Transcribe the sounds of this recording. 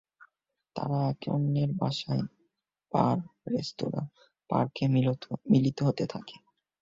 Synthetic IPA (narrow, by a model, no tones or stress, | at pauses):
t̪a̰ɾaɛko̰nːeɾbaʃae | paɾɾest̪oɾa̰ | pa̰ɾkʰemilit̪oɦot̪et̪ʰake̥